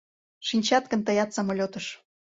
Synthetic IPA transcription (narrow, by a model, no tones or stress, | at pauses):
ʃinʲt͡ɕɑt̪̚kə̆nt̪əjɑt̪sɑmolʲot̪əʃ